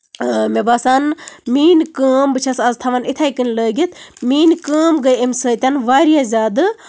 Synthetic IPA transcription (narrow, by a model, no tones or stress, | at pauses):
mʲebasanmiːnkəːmbɨt͡ʃʰɐsɐzt̪ʰɐʋɐnit̪ʰajkɨnʲləːɡʲit̪ʰmiːnkəːmɡəjemʲsəːt̪ʲanʋaːɾijazʲaːd̪ɨ